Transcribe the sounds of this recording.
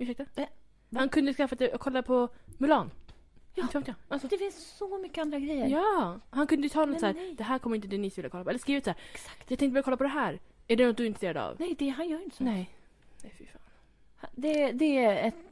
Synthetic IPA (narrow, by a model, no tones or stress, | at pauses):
ʉʂɛk̚t̪ə | hankʰɵnd̪əskafːat̪ɛkʰɔlːapʰɔmʉlɑːnːʰ | ft̪jɑalsɔd̪ɛfɪnssɔmʏkːəand̪ɾaɡɾɛjːəjɑːhankʰɵnd̪əjʏt̪ʰɑːnːɔsæːɾd̪ɛɦæːɾkʰɔmːɾɪnt̪əd̪ɛnɪsvɪlːəkʰɔlːpʰɔɛlːəʂkɾiːvət̪sæːɾsk̪jɑk̪ʰɛŋkt̪əbɾjkɔlːapɔd̪ɛɦæːɾæɖɛnɔt̪̚d̪ɵɪnɾst̪ːɾad̪əa̰vnɛd̪ɛɦanjœːɾjʏnt̪əsɔnɛ | ɛfɪfaːn | had̪ɛd̪ɛæɛt̪